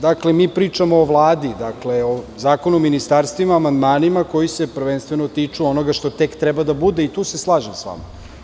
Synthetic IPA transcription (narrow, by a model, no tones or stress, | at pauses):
d̪akle̞miːpɾiːt͡ʃamoːʋlˠaːd̪id̪akle̞ozaːko̞numinist̪aːɾst̪ʋimaːmand̪maːnimako̞jiseprɾʋenst̪ʋeno̞t̪it͡ʂuo̞no̞ɡaʃt̪o̞t̪e̞kt̪ɾɛbad̪abud̪e̞it̪uːseslˠaːʒemsʋa̰ma̰